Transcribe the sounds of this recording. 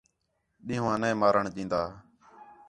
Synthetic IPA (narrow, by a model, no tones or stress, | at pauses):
ɗĩːɦːãːnẽːmaːɾəɳɗĩːnd̪aː